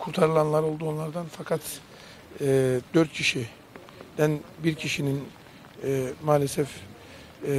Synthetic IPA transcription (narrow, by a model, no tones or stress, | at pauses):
kʰuɾt̪ʰaɾɯlˠanlˠaɾo̞lˠd̪uːo̞nlˠaɾd̪anfakʰat̪ | ɛːd̪øɾt̪cʰiʃi | d̪ænbiɾcʰiʃinin | maːlʲɛsɛf